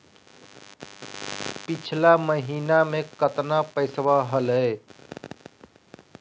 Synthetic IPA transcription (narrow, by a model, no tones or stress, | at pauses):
pit͡ʃʰlaməɦinamekət̪napəɪsbaɦələɪ